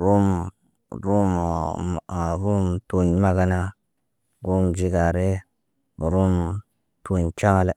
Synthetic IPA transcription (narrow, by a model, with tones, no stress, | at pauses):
ɾu˦m | ɾu˦m | a˨ɾu˦mto˨nma˦ɡa˦na˦ | ɡu˦md͡ʒi˦ɡa˨ɾe˦˨ | ɾu˦m | tu˨ɲt͡ʃa˦ŋa˨le˦